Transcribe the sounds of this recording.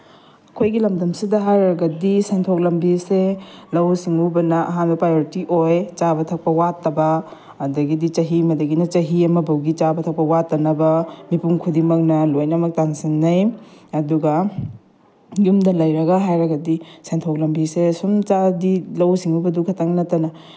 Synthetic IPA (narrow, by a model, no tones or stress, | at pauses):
ɐkʰojɡilɐmdɐmsidɐɦajɾɐɡɐdisentʰok̚lɐmbiselɐwsiŋubɐnɐʔɐɦanbɐpɾajoɾitiʔojt͡ʃabɐtʰɐk̚pɐwatːɐbɐː | dɐɡidit͡ʃɐɦimɐdɐɡinɐt͡ʃɐɦiɐmɐbɐwɡit͡ʃabɐtʰɐk̚pɐwatːɐnɐbɐmipuŋkʰudimɐk̚nɐlojnɐmɐk̚taŋsinːɐjɐduɡɐ | jumdɐlɐjɾɐɡɐɦajɾɐɡɐdisentʰok̚lɐmbisesumt͡ʃadilɐwsiŋubɐdukʰɐtɐŋnɐtɐnɐ